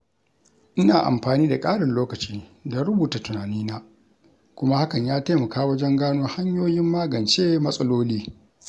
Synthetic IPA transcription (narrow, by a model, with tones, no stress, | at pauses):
ʔɪ˦naː˨ʔa̰˨mɸaː˨niː˦da˨kʼaː˦ɽɐ˨nloː˦kɐ˨t͡ʃiː˦da˨ɾʊ˦buː˨ta˨tʊ˨naː˨niː˦naː˦ | kʷʊ˦ma˦ha˦kɐ˨ɲjaː˦taː˦mɐ˨kaː˦wɐ˦d͡ʒɛ˦ŋɡaː˦noː˦ha˦ɲjoː˦jɪ˦mːaː˦ɡɐ˨nt͡ʃeː˦mɐ˦sʼɐ˦loː˦liː˦